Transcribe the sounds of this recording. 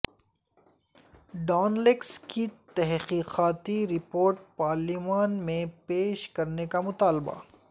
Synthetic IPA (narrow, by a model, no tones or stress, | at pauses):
ɖaːnlɪkskit̪ɛɦqiːqaːt̪iɾɪpoːɾʈ̚paːɾlimaːnmẽpeːʃkɐɾnekamʊt̪aːlba̰